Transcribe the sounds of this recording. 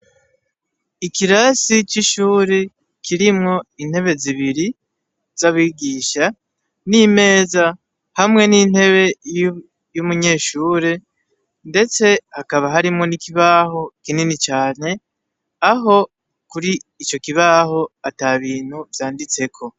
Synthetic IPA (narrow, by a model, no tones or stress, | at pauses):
ikiɾasit͡ʃiʃuːɾe | kʰiɾimŋo̞in̥he̞βe̞ziβiɾi | z̥aβwiːɡiːʃa | nime̞ːza | hamŋe̞nin̥he̞βe̞j | jumuɲe̞ːʃuːɾe | nde̞t͡se̞hakaβaɦaɾimŋo̞nikiβaho̞kininit͡ʃaːne̞ | aɦo̞ | kuɾiːt͡ʃo̞kiβaɦo̞ataβiːn̥huvjaːndit͡se̞kʰo̞